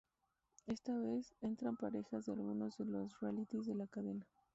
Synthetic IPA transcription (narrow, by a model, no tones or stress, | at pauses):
e̞st̪aβe̞se̞nt̪ɾampaɾe̞xazðealɣuno̞zðe̞lo̞srealit̪izðe̞lakaðe̞na